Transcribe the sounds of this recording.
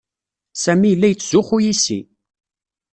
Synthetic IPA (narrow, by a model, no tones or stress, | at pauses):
sæmijəlːæjət͡sːzʊχujisḭ